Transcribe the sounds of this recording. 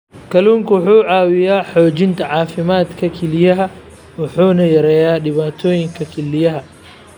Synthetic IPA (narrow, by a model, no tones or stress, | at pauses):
kʰɐluːŋkʰɐwʊħuːʕɑːwɪjaːħɔːt͡ʃɪnt̪ʰɐʕɑːfɪmaːd̪kʰɐkʰɛlɪjɐɦɐ | wʊħuːnɐjɐɾɛːjaːɖɪβaːt̪ʰɔːjɪŋkʰɐkʰɛlɪjɐɦɐ